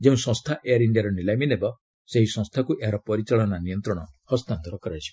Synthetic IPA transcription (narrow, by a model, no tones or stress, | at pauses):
d͡ʒeũsɔ̃st̪ʰaʔejaɾiɳɖiaɾɔnilajminebɔ | seɦisɔ̃ŋst̪ʰakuʔeɦaɾɔpɔɾit͡ʃaɭɔnanijɔnt̪ɾɔɽ̃ɔhɔst̪ant̪ɔɾɔkɔɾasʰi̥b